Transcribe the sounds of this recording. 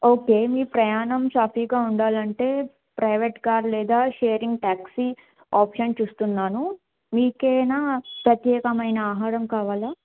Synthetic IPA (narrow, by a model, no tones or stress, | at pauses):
oːke̞ːmiːpɾɐjaːnɐmʃaːpiːɡaːuɳɖaːlɐɳʈe̞ː | pɾɐjʋeːʈkaːɾlɛːd̪aːʃeːɾiŋɡ̚ʈaːksi | aːpʂɐnt͡ʃuːst̪unːaːnu | miːkeːnaːpɾɐt̪jɛːkɐmɐjnɐaːɦaːɾɐmkaːʋaːla